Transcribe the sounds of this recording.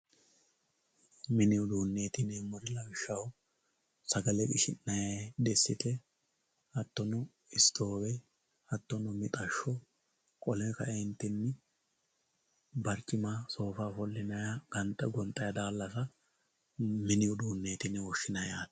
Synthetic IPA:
mɪnɪjɔd̪uːnːe̞ːt̪ɪnɛmʊɾɪlɐɡɪʃːɐw | sɐɡɐlɛkʼɪʃɪ̰nːɐjad̪ɛsːɪt̪ɛ | ɐt̪ːɔnʊ | ɪst̪ʰo̞ːwɛ | ɐt̪ːɔnʊmɪt̪ʼɐʃːɔ | kʼɔlɛkɐɛnt̪ːɪnːɪ | bɐɾkʼːɪmaso̞ːfaːfɔlːɪnɐjaɡ̥ɐnt̪ʼːɐɡɔnt̪ʼɐjɐd̪aːlːɐsɐ | mɪnɪjɔd̪uːnːe̞ːt̪ɪnɛwɔʃːɪnɐjaːt̪

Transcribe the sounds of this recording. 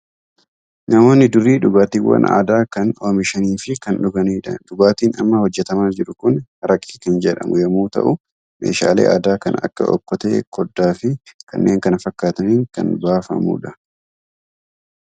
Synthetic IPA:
nɐmo̞ːnːɪd̪ʊrːiːᶑʊɡaːt̪iːwːɐ̰na̰ːd̪aːkɐnoːmɪʃɐniːfɪkɐnᶑɔɡɐniːᶑɐ̰ᶑʊɡaːt̪iːnɐ̰mːɐhɔd͡ʒːɛt̪ɐmaːd͡ʒɪɾʊkʊnhɐɾɐkʼːiːkɐnd͡ʒɛᶑɐ̰mʊjɐmuːt̪ɐ̰ʔʊ | me̞̰ːʃa̰ːlḛːʔa̰ːd̪aːkɐnɐ̰kːɐ̰ʔɔ̰kːɔt̪ḛːkʰɔd̪ːaːfɪkɐ̰nːe̞ːŋkɐnɐfɐkːaːt̪ɐniːŋkɐ̰nbaːfɐ̰mṵːᶑɐ

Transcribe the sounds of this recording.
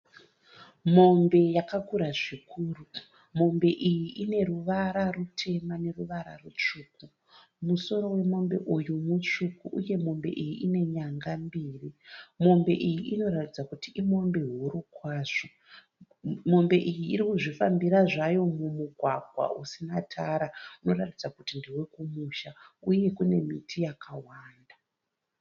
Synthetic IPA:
mo̞mbe̞jakakuɾaʐikʰuːru | mo̞mbe̞ʔijiʔine̞ɾuʋaɾarutʰe̞mane̞ruʋaɾa̰rut͡ʂuːku | muso̞ɾo̞we̞mo̞mbe̞ʔujumut͡ʂukuʔuje̞mo̞mbe̞̰ʔijiʔine̞ɲaŋɡambiːrimo̞mbe̞̰ʔijiʔino̞ratid͡zakutiʔimo̞mbe̞ɦuɾukwaːʐ̥o | mo̞mbe̞ʔijiːɾikuʐifambiɾaʐajo̞mumuɡʱwaɡʱwa̰usinatʰaɾauno̞ratid͡zakutindiwe̞kumuʃauje̞kune̞mitʰijakʰawaːnda

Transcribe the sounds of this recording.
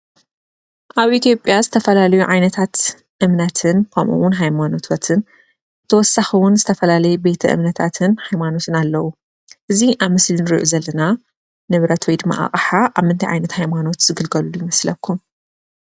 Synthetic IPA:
ʔaβʔit̪jo̞pʼjazɨt̪ʰɐfɐlalɐjuʕajnɐt̪ʰat̪ | ʔɨmnat̪ʰɨnkʰɐmʔṵwʊnɦajmano̞t̪ʰot̪ʰɨn | t̪ʰɐwɔsːaxɨwʊnzɨt̪ʰɐfɐlalɐjube̞t̪ʰɐʔɨ̰mnɐt̪ʰat̪ʰɨnhajmano̞t̪ʰɨnalːɐwu | ʔɨziʔaβmɨslinɨɾiʔuzɐlːɐna | nɨβɾɐt̪ʰwojd̪ɨmːa̰ʔa̰χʼħaʔaβmɨnt̪ʰɐjʕa̰jnɐt̪hajmano̞t̪z̥ɨɡɨlɡɐlulujimɐslɐkʰːum

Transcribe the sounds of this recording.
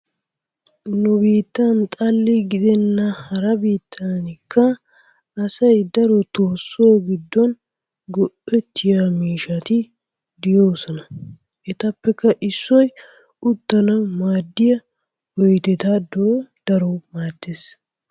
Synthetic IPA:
nʊbiːt̪ːɐnt̪ʼɐlːɪɡɪd̪ɛnːɐhɐɾɐbiːt̪ʰːɐnɪkːɐː | sɐjd̪ɐɾɔt̪oːsːoːɡɪd̪ːɔn | ɡɔʔːɛt̪ʰːɪjamiːʃɐt̪ɪ | d̪ɪjoːsɔnɐ | ʔɛt̪ɐpːɛkːɐʔɪsːɔj | ʊt̪ːɐnɐmaːd̪ːɪjɐ | ɔjt̪ɛt̪ɐd̪oːd̪̥ɐɾɔmaːd̪ːeːs

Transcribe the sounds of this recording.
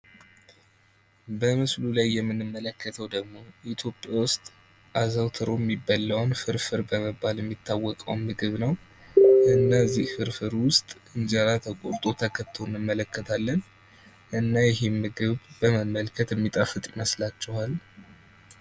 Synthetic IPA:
bəmɨslulajːɛmːɨnɨmːələkʰːət̪ʰəwd̪əɡmo̞it̪ʰjo̞pʼɪjawʊst̪ʼ | ʔazawt̪ʰɨɾojɛmːibːalːawnfɨɾfɨɾbəməbːaljɛmːit̪ʰːawːɔkʼəwnmɨɡɨβnəw | ɨnːazihfɨɾfɨɾwʊst̪ʼʔɨnd͡ʒaɾat̪ʰəkʼot̪ʼot̪ʰəkʰət̪ʰːonːɨmːələkʰːət̪ʰalːən | ʔɨnːajɪɦe̞mːɨɡɨβbəməmːəlkʰət̪jɛmːit̪ʼafɨt̪ʼɪməslat͡ʃːɛhal

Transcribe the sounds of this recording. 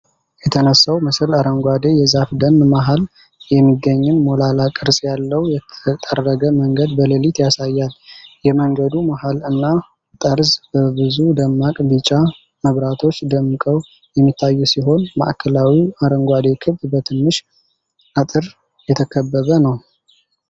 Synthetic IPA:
jɛt̪ʰənəsːawmɨsɨlaɾəŋɡʷad̪e̞jɛzafd̪ənmaɦal | jɛmːiɡːəɲːɨnmo̞lalakʼɨɾsʼjalːəwjɛət̪ʼərːəɡəməŋɡəd̪bələlit̪jasajːaljɛməŋɡəd̪umaɦalɨnːa | t̪ʼəɾzbəbɨzud̪əmːakʼbɨt͡ʃʼa | məβɾat̪ʰo̞t͡ʃːd̪əmːɨkʼəw | jɛmːit̪ʰːajːusiɦo̞nma̰ʔkʰəlawiaɾəŋɡʷad̪e̞kʰɨβdbət̪ʰɨnːɨʃ | ʔat̪ʼɨɾ | jɛt̪ʰəkʰəbːəβənəw

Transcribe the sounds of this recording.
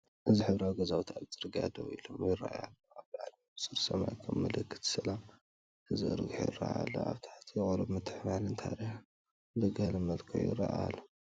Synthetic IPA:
ʔɨziħɨβɾawɡɐzawut̪ʰaβzʼɨɾɨɡa̰d̪ɐwilo̞mjɪrːa̰ʔa̰lːoaβbɨʕal | ɨsɨɾsɐma̰jkʰɐmmɨlɨkʰːɨ̥t̪sɐlam | ɨzɨɨ̰ɾɨɡħo̰jɪɾa̰alːo̰a̰βt̪ʰḁt̪ʰjɪkʼɐɾɐbmɨt̪ʰːɨħmalɨnt̪ʰa̰ɾiħ | dɐɡɐhlɐmɐlkʰo̰jɪ̰ɾɐʔalːo

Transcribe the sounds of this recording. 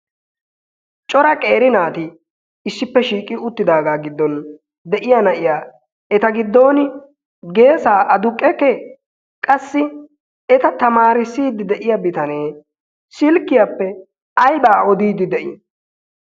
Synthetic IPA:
t͡ʃʼɔɾɐkʼe̞ːɾɪnaːt̪ɪː | sːɪpːɛʃiːkʼɪʊt̪ːɪd̪aːɡaːɡɪd̪ːɔn | d̪ɛʔɪjɐnɐʔɪjaː | ɛt̪ɐɡɪd̪ːo̞ːnɪ | ɡe̞ːsaːʔɐd̪ʊkʼːɛkːɛ | kʼɐsːɪ | ɛt̪ɐt̪ɐmaːɾɪsiːd̪ɪd̪ɛʔɪjɐbɪt̪ɐneː | sɪlkːɪjapːɛ | ɐjbaːɔd̪iːd̪ɪd̪ɛʔɪ

